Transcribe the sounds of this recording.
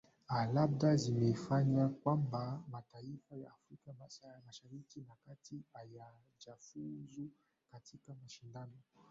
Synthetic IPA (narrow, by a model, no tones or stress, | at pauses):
alab̚dazimefaɲãkwambamataifaja̰afɾikamasaamaʃaɾikinakatiaja | d͡ʒafuzu | katikamaʃindano